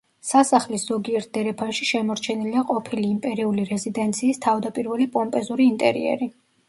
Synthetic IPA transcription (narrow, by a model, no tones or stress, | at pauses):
sasaχlisz̥ɔɡiɛɾt̪̚ʰd̪ɛɾɛpʰaʃiʃɛmɔɾt͡ʃʰɛniliaqʼɔpʰiliːmpʼɛɾiuliɾɛzid̪ɛnt̪sʰiːst̪ʰavd̪apʼiɾvɛlipʼɔmpʼɛzuɾiːnt̪ʼɛ̰ɾḭɛ̰ɾi